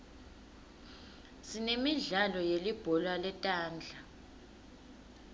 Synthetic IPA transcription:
sinemiɮalɔjelib̥ʱɔlwalɛtʼaːnd͡ɮʱa

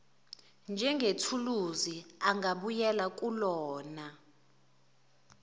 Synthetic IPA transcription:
nd͡ʒʱɛŋɡʱetʰuluziaŋɡaɓujɛlak̬ʼulɔːna

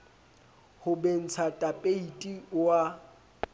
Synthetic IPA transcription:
hʊben̩t͡sʰatʼapʼeitʼiwa

